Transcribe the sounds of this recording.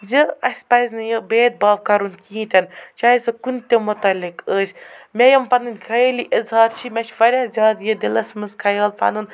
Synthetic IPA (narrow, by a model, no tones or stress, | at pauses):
d͡ʒeɐsʲpɐzʲnɨjɐbeːt̪̚baːb̚kɐɾunkĩːt̪ʲɐnt͡ʃaːjisɐkunt̪ʲemʊt̪ɐlʲɪkəːsʲmʲɛjɐmpɐnɨnʲkʰɐjelʲiʔɪzhɑːɾt͡ʃʰimʲɛt͡ʃʰʋɐɾʲazʲaːd̪jɐd̪ilɐsʲmɨzkʰɐjɐːlpɐ̰nun